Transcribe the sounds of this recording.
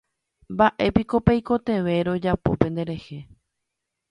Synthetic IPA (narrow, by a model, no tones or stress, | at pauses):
mbaʔe̞piko̞pejko̞t̪e̞ʋe̞ɾo̞d͡ʒapo̞̰pẽ̞nd̪e̞ɾe̞he̞